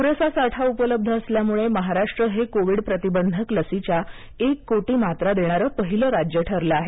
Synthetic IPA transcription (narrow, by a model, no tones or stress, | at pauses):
kuɾəsasaʈʰaupələb̚d̪ʱəəsljamuɭeməɦaɾaʂʈɾəɦekoʋiːɽpɾət̪ibənd̪ʱəkləsit͡ɕja | ekːoʈiːmat̪ɾad̪eɽ̃aɾəpəɦiləɾad͡ʑjəʈʰəɾlaaɦe